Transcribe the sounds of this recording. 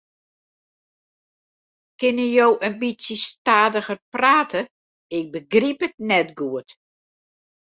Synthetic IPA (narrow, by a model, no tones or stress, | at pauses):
kɪnəjowʔənbisjəstaːdəɣərpraːtʰə | ɪk̚bəɡripətnɛtɡuət